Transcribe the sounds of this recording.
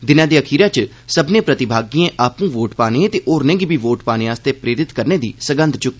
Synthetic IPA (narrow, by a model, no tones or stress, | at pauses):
d̪ɪnãːd̪iːəkʰiːɾaːt͡ʃ | səbnẽːpɾət̪ɪbʱaːɡiːẽːʔaːpũːʋoːʈpaːneẽːt̪eːʔoːɾnẽːɡiːbʱiːʋoːʈpaːnẽːaːst̪eːpɾeːɾɪt̪kəɾneːd̪ḭːsəɡə̃nd̪t͡ʃʊk̪ː